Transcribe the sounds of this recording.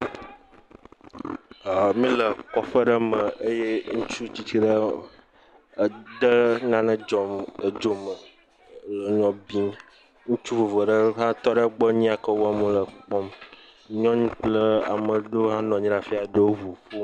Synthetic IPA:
a˨mĩ˦lə˨kɔ˨ɸə˦ɖə˦mə˨ə˦je˦ŋũ˦t͡ʃu˦t͡ɕi˨t͡ʃi˦ɖə˦˨ | ɖ̪ə˦nã˦nə̃˦d͡ʒɔ˨mə˨d͡ʒo˦mə˨˦ | lə˦ɲɔ̃˦bi˦n˦ | ŋũ˦t͡ʃu˦vo˨və˨ɖə˦ɦã˦t̪ɔ˦ɖə˦ɡ͡bə˦ɲĩ˦a˨kə˦wo˦a˦˨mũ˦lə˨k͡pɔ˦m | ɲɔ̃˦ɲũ˦k͡plə˦a̰˨mə̃˨ɖo˦ɦã˦nɔ̃˨ɲĩ˦ɾa˨fi˦a˨ɖə˦wo˦ɦu˨ɸo˦

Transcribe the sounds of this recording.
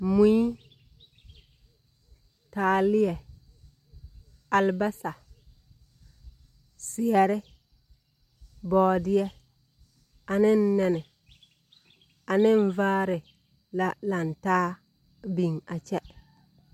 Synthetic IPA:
mu˦i˦ | taː˨lɪ˦jɛ˨ | a˨lba˦sa˨ | sɪ˨ɛ˨ɾɪ˦ | bɔː˨˦dɪ˦ɛ˦ | a˨nɪ˦n˦nɛ˦˨nɪ˨ | a˨nɪ˦ɱ˦vaː˦ɾɪ˨ | la˦la˨n˨taː˦ | bi˨ŋa˨t͡ʃɛ˦

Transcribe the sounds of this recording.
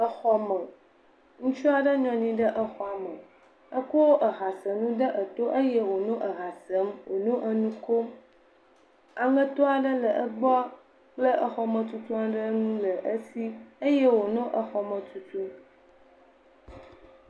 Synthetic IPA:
ə˦xɔ˦mə˨ | ŋũ˦t͡ʃu˦a˨ɖə˦ɲɔ̃˨ɲĩ˦ɖə˦ʔə˦xɔ˦a˨mə˨ | ə˦ko˦wo˦ʔə˨ɣa˨sə˨nũ˦ɖə˦ʔə˨t̪o˦ʔə˦jɛ˦wo˨nũ˦ʔə˨ɣa˨sə˦mwo˨nũ˦ʔə˦nũ˦ko˦m | a˨ŋə̃˦t̪o˦a˨ɖə˦lə˨ʔə˦ɡ͡bɔ˦ | k͡plə˦ʔə˦xɔ˨mə̃˨t̪u˦t̪u˦a˨ɖə˦nũ˦lə˨ʔə˦si˦ə˦jɛ˦wo˨nõ˦ʔə˨xɔ˨mə̃˨t̪u˨t̪u˦m

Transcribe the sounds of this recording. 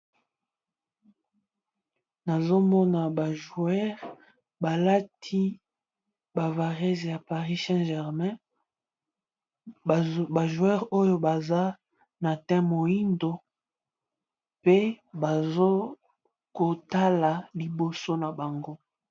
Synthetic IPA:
na˨zo˦mɔ˦na˨ba˨ʒu˨ɛ˦ʁ | ba˨la˦tʰi˦ | ba˨va˨ʁɛ˦zja˨pa˨ʁi˦sɛ̃˦ʒɛ˨ʁmɛ̃˦ | ba˨ʒu˨ɛ˦ʁo˦jo˦ba˨za˦ | na˨tɛ̃˦mo˨i˦ndo˨ | pe˦ | ba˨zo˦ | ko˨ta˦la˨li˨bo˨so˦na˨ba˨ŋɡo˦

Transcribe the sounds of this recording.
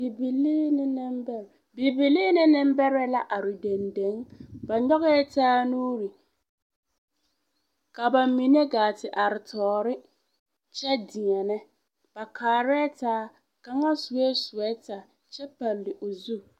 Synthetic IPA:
bi˨bi˨liː˦nɪ˦nɪ˦mbɛ˦ɾ | bi˨bi˨liː˦nɪ˦nɪ˦m˦bɛ˦ɾɛ˦la˦ʔa˨ɾɪ˨de˨nde˨˦ŋba˨ɲɔ˦ɣɛ˦ɛ˦taː˦nuː˦ɾi˨ | ka˨ba˨mi˨ne˦ɡaː˨tɪ˨ʔa˨ɾɪ˨tʰɔː˨ɾɪ˦ | t͡ʃɛ˦dɪ˨ŋɛ˨nɛ˦ | b̥a˨kʰaː˨ɾɛ˦taː˦ | ka˦ŋa˦sʊ˨wɛ˦sʊ˨ɛ˦ta˨ | t͡ʃɛ˦pa˨lːɪ˨ʔʊ˨zu˦˨

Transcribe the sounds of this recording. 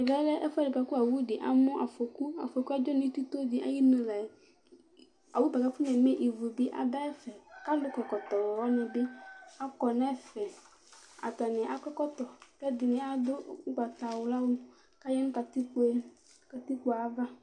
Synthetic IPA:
ɛ˨ɡa˦lɛ˦ʔɛ˦fʊ˦a˦dɪ˨pa˨ku˦a˨wu˦dɪ˨ʔa˨mɔ̃˦ʔa˨fo˨ku˦a̰˨fo˨ku˦a˦d͡ʒɔ˦nɪ̃˦t̪u˦t̪o˦dɪ˨ʔa̰˨ji˦nõ˨la˨ | a˨wu˦ba˨ɡa˨fʊ˦nɛ̃˨mɛ̃˦ʔi˨vo˨bɪ˦ʔa̰˨da˦ɛ˦fɛ˨ka˦lʊ˦kɔ˨kɔ˨t̪ɔ˨wɔ˨wɔ˦nɪ̃˨bɪ˦a˦kɔ˨nɛ˦fɛ˨ | a̰˨t̪a˨nɪ̃˨ʔa˨kɔ˦kɔ˦t̪ɔ˨kɛ˦dɪ˨nɪ̃˨a˨dʊ˦ŋ̩˦ɡ͡ba˨t̪a˨wʊ˨la˦wu˦ | ka˦jɛ˦nʊ̃˦ka˨t̪i˦k͡pe˦ | ka˨t̪i˦k͡pu˦a˨˦va˦

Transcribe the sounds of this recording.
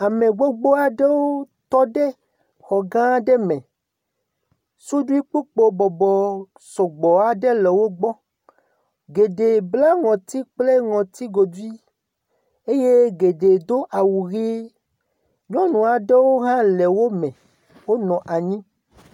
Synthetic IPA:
a˨mẽ˨ɡ͡bɔ˦ɡ͡bo˦a˨ɖe˦wo˦t̪ɔ˦ɖe˦ | xɔ˨ɡã˦ɖe˦mɛ̃˨ | so˦du˦i˦k͡po˦k͡po˦bɔ˨bɔ˨ | sɔ˨ɡ͡bɔ˨a˨ɖe˦lɛ˨wo˦ɡ͡bɔ˦ | ɡe˨ɖe˨bla˦ŋɔ̃˨t̪i˦k͡ple˦ŋɔ̃˨t̪i˦ɡo˨d̪u˦i˦ | e˦je˦ɡe˨ɖe˨d̪o˦ʔa˨wu˨ɣi˦ | ɲɔ̃˦nũ˨a˨ɖe˦wo˦ɦã˦le˨wo˦mɛ̃˨ | wo˦nɔ̃˨ʔa˨ɲĩ˦

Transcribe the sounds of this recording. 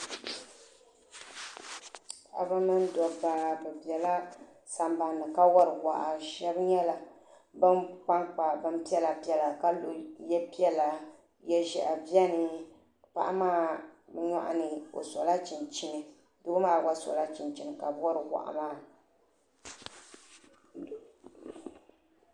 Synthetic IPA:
ʔa̰˨ba˦mɨ˦n˦dɔ˨ba˨˦bɛ˨bɛ˨la˦ | sa˨mba˨nːɨ˨ka˦wɔ˦ɾɨ˨wa̰˨ʔa˨ʃɛ˦bɲɛ˦la˨ | bɨ˦mk͡pa˦ŋk͡pa˨bɨ˦m˦pi˦ɛ˦la˨pi˦ɛ˦˨la˨ka˦lo˨jɛ˦pi˦ɛ˦la˨ | jɛ˦ʒɛ˨ʔa˨bjɛ˦nɨ˨ | pa̰˨ʔa˦maː˦bɛ˦ɲa̰˦ʔa̰˦nɨ˨o̰˨sɔ˨la˦t͡ʃi˨nt͡ʃɪ˦nɨ˨ | dɨ˦bmaː˦˨wa˦sɔ̰˨la˦t͡ʃi˨nt͡ʃi˨nɨ˨ka˨˦wɔ˦ɾɨ˨wa̰˨ʔa̰˨maː˦˨

